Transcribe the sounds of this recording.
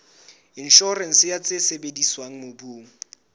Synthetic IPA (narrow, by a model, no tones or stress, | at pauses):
inʃɔrɛn̩sɪjat͡sʼesebediswaŋ̩mʊbuːŋ̩